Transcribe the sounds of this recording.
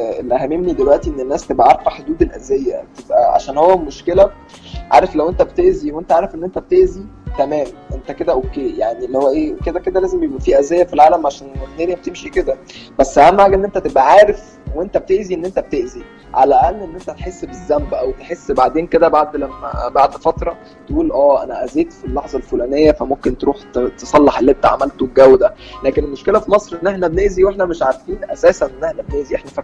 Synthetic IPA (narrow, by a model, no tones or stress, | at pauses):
elʔæhæmemnid̪elwæʔt̪iʔenːenːæːst̪ebʔæʔɑɾˤfɑħod̪uːd̪elʔæzæjːæt̪ebʔæ̰ʕa̰ʃæːnhowːæmoʃkelæ | ʕa̰ːɾeflæwʔent̪æbet̪eʔziwʔent̪æʕaːɾefʔenːent̪æbet̪eʔzit̪æmæːmʔent̪æked̪æʔokːeːjaʕnilːihowːæʔeːked̪æked̪ælæːzemjebʔæfiːʔæzːæjæfilʕaːlæmʕaʃæːnet̪ːæːnjæb̚et̪emʃiked̪æb̥æsːhæmːʕaːɡʔenːʔent̪æt̪ebʔæʕaːɾef | weent̪æbet̪eʔziʔenːʔent̪æb̚t̪eʔzi | ʕalæʔælːʔenːʔent̪æt̪ħesːbezːæmbʔæwt̪eħesːbaʕd̪eːnked̪æbaʕd̪læmːæ̰baʕd̪fɑt̪ɾˤɑ | t̪eʔuːlʔæːʔænæʔæzeːt̪filːɑħzˤɑlfulæːnejːæfæmomkent̪eɾuːħt̪t̪esˤɑlːɑħelːent̪æʕa̰mælt̪obɡæwd̪ælæːkenelmoʃkelæfimɑsˤɾʔenːʔeħnæbeneːziweħnæmeʃʕaɾfiːnʔæsæːsænʔenːeħnæbenæːziʔeħnæfæ